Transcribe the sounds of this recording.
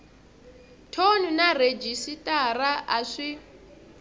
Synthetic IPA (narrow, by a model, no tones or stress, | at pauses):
tʰonunared͡ʒisitʼaraʔaʂi